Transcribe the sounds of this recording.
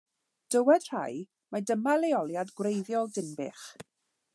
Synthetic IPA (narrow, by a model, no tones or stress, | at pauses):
d̥əwɛd̥r̥a̰j | madəmalejɔlˠjadɡwrejðjɔlˠdɪnbɪ̰χ